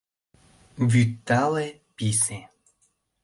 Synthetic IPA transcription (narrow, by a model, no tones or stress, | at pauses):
vʲyt̪ːale | pʲise